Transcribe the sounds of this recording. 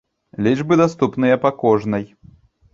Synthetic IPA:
lʲiʐbɨd̪ast̪upnɨjɐpakɔʐnɐj

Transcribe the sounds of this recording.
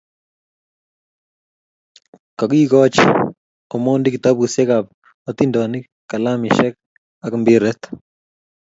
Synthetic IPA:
kɔkikɔt͡ʃ | ɔmondɪkɪt̪abusjɛkap̚ | ɔt̪indɔni | kːalamɪʃɛk̚ | akmbɪɾɛt̪

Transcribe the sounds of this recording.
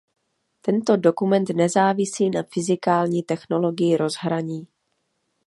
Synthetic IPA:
t̪ɛnt̪o̞do̞kumɛnt̪nɛzaːvɪsiːnafɪzɪkaːlɲiːt̪ɛxno̞lo̞ɡɪjɪɾo̞zɦɾaɲiː

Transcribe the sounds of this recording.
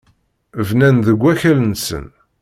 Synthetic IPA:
vnænðəɡʷːæçælənsə̰n

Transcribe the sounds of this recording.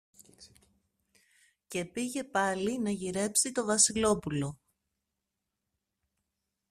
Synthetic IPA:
ce̞piʝe̞pɐlinɐʝiɾe̞psit̪o̞vɐsilo̞pulo̞

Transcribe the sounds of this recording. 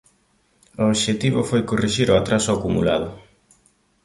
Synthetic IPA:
ooβʃet̪iβʊfojkoriʃiɾʊat̪ɾasʊakumṵla̰ð̞ʊ

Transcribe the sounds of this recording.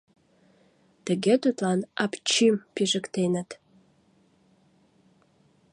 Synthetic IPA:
t̪əɣet̪ut̪lɑnɑpt͡ɕympiʒəkt̪enət̪

